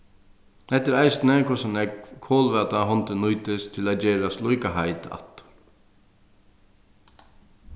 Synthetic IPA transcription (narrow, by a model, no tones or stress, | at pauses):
hɛht̪ɪɾajsnɛkʰʊsanɛkkʰoːlʋaːt̪aɦɔnt̪ɪnujt̪ɪst̪ʰɪlad͡ʒɛːɾaslujkaɦajt̪a̰t̪